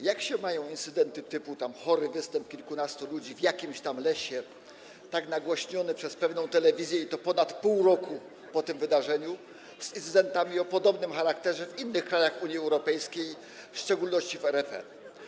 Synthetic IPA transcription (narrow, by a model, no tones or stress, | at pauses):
jakɕɛmajɔ̃w̃int̪sɘd̪ɛnt̪ɘt̪ɘput̪amxɔɾɘvɘst̪ɛmp̚kʲilkunast̪ulud͡ʑivjakʲimɕt̪amlɛɕɛ | t̪aknaɡwɔɕɲɔnɛpʂɛspɛvnɔ̃w̃t̪ɛlɛvʲizʲjɛit̪ɔpɔnat̪puwɾɔku | pɔt̪ɘmvɘd̪aʐɛɲu | z̥int̪sɘd̪ɛnt̪amʲiɔpɔd̪ɔbnɘmxaɾakt̪ɛʐɛvinːɘxkɾajaxuɲjiɛwɾɔpɛjskʲej | fʂt͡ʂɛɡulnɔɕt͡ɕivɛɾɛpɛ̰